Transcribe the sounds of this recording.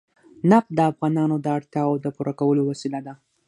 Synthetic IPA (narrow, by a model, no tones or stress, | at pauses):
napd̪əafɣɑnɑnod̪əaɽt̪jɑod̪əpuɾʔakawəlowasilad̪a